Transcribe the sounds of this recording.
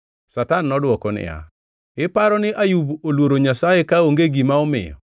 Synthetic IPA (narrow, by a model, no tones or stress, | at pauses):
satanːɔdwɔkɔnɪ̰ja̰ | ɪpaɾɔnɪʔajubolwoɾoɲasaekaoŋɡeɡimaɔmɪ̰jɔ̰